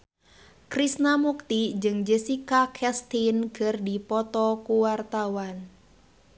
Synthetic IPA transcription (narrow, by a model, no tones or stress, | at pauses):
kɾisnamuk̚t̪id͡ʒɨŋd͡ʒəsikakʰɛst̪inkɨrdipɔt̪ɔkuwart̪awan